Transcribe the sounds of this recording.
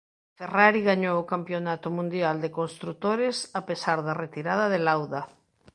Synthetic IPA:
feraɾiɣaɲowokampjonat̪ʊmũnd̪jald̪ekonst̪ɾut̪oɾesapesaɾðɐret̪iɾaðɐðelawða

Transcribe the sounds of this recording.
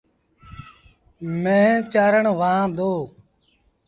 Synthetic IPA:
mẽːt͡ʃaːɾəɳʋaãːd̪oː

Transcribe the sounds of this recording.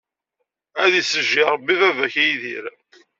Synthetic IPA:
æðisəʒːiɾˤbːivævæçæjðḭɾ

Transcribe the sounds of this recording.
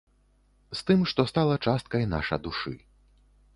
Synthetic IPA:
st̪ɨmʂt̪ɔst̪alˠɐt͡ʂast̪̚kɐjna̰ʂɐ̰d̪uʂɨ̰

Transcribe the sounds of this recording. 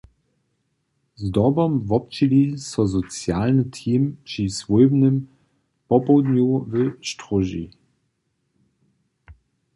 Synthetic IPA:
zdɔbɔmvɔp̚t͡ʃilisɔzɔt͡sjalnət̪ʰiːmpʂisvujbnəm | pɔpɔwd̪ɲuvəʃtʁɔʒḭ

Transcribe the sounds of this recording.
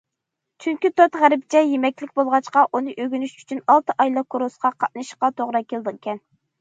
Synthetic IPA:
t͡ʃʰyŋkʲit̪ot̪ʁæɾɪp̚t͡ʃʰɛjemɛkʲlɪkʲbolˠʁɑt͡ʃqɑʔunɨʔøɡʲynyʃy̥t͡ʃʰynɑlˠt̪ɨʔɑjlˠɑkʰːoɾosqɑqʰɑt̪̚nɨʃqɑt̪ʰoʁɾɑkʲelˠd̪ɨkʲɛn

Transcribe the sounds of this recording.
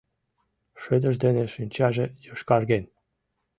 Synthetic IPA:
ʃø̆d̪ə̆ʒd̪enĕʃynʲt͡ɕɑʒĕjɯʃkɑrɡʲenʲ

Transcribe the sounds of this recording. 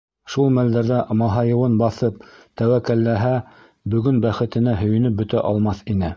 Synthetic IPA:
ʃulˠmæld̪æɾðæmɑɦɑjɤ̆wɤnbɑθɤp̚t̪æwækælːæɦæ | bɵ̆ɡɵnbæχɘ̆t̪ɘ̆næɦɵ̆jɘ̆nɘp̚bɵ̆t̪æʔɑlˠmɑθinɘ

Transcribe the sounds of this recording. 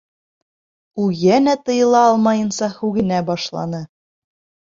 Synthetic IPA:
ujænæt̪ɤ̆jɤ̆lˠɑɑlˠmɑjɤ̆nsɑhʉɡɘ̆næbɑʃlˠɑ̰nɤ

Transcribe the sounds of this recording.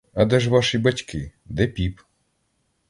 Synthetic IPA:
ɐd̪ɛʒʋɑʃibɐtʲkɪd̪ɛpʲip

